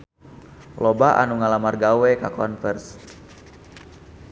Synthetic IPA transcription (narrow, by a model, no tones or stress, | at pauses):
lɔbaʔa̰nuŋalamarɡawɛkakɔnfɛrs